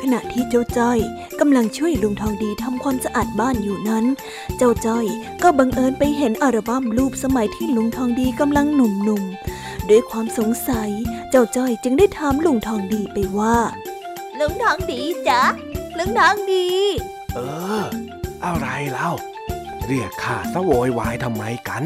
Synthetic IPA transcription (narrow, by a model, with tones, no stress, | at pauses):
kʰa˧na˨˩ʔt̪ʰiː˥˩t͡ɕa˦˥˩wt͡ɕɔ˥˩j | ka˧mla˧ŋt͡ɕʰu˥˩əjlu˨˧˩ŋt̪ʰɔː˧ŋdiː˧t̪ʰa˧mkʰwaː˧msa˧ʔaː˨˩t̪̚baː˥˩˨njuː˨˩na˦˥n | t͡ɕa˥˩wt͡ɕɔ˥˩j | kɔː˥˩ba˧ŋʔɤː˧npa˧jɦe˨˦nʔa˧˩ɾa˧ba˥˩˨mluː˥˩p̚sa˧ma˨˩˦jt̪ʰiː˥˩lu˨˧˦ŋt̪ʰɔː˧ŋdiː˧ka˧mla˧ŋnu˧˩mnu˧m | du˧˩əjkʰwaː˧mso˩˦ŋsa˨˦jt͡ɕa˥˩wt͡ɕɔ˥˩jt͡ɕɯ˧ŋdaː˥˩jt̪ʰaː˧mlu˧˩ŋt̪ʰɔː˧ŋdiː˧pa˧jwaː˥˩ | lu˧˩ŋt̪ʰɔː˧ŋdiː˧˩t͡ɕa˧˦ | lu˧˥ŋt̪ʰɔː˧˥ŋdiː˧ | ʔɤː˧ | ʔa˧˩wɾa˧jlɛ˦˥˩w | ɾɯ˧˩əkʰaː˧˩sa˧woː˨˦jwaː˨˦jt̪ʰa˧mːa˧jka˧˦n